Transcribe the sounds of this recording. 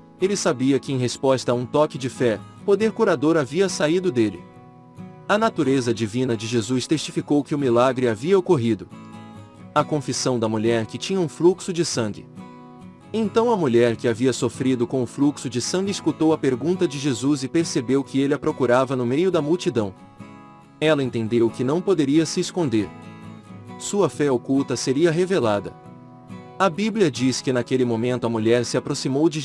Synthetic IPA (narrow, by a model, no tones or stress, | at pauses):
elɪsabiɐkɪẽj̃ɦespɔst̪ɐũt̪ɔkɪd͡ʒɪfɛpod̪eɾkuɾad̪oɾaviɐsaid̪ʊd̪elɪ̰ | ɐnat̪uɾezɐd͡ʒivĩnɐd͡ʒɪʒezust̪est͡ʃifikowkɪʊmilaɡɾɪaviɐokoɦid̪ʊ | ɐkõfisɐ̃w̃d̪ɐmuʎɛɾkɪt͡ʃĩɲɐũfluksʊd͡ʒɪsɐ̃ɡɪ̰ | ẽnt̪ɐ̃w̃ɐmuʎɛɾkɪaviɐsofɾid̪ʊkõʊfluksʊd͡ʒɪsɐ̃nɡ̪ɪɪskut̪owɐpeɾɡũnt̪ɐd͡ʒɪʒezuzɪpeɾsebewkɪelɪɐpɾokuɾavɐnʊmejʊd̪ɐmuwt͡ʃid̪ɐ̃w̃ | ɛlɐẽnt̪ẽnd̪ewkɪnɐ̃w̃pod̪eɾiɐsɪːskõnd̪eɾ | suɐfɛokuwt̪ɐseɾiɐɦevelad̪ɐ̰ | ɐbibliɐd͡ʒiskɪnakelɪmõmẽnt̪ʊɐmuʎɛɾsɪapɾosimowd͡ʒɪ